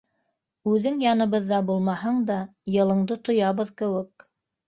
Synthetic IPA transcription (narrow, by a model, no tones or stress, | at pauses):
ʉðɘŋjɑnɤ̆βɤðːɑbulˠmɑɦɤɴd̪ɑjɤ̆lˠɤ̆ɴd̪ɤt̪ŏjɑβɤðkɘ̆wɘk̚